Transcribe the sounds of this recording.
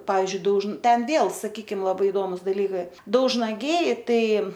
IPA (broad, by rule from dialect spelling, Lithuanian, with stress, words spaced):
ˈpɑːʋʲɪzʲd͡ʒʲʊɪ dɐʊʒn ˈtʲɛn ˈʋʲeːlˠ sɐˈkʲiːkʲɪm lˠɐˈbɐɪ ɪˈdoːmʊs dɐˈlʲiːkɐɪ dɐʊʒnɐˈɡʲɛɪ ˈtɐɪ